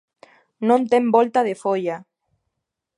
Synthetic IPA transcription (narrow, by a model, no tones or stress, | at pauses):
nõnt̪embolt̪að̞efoja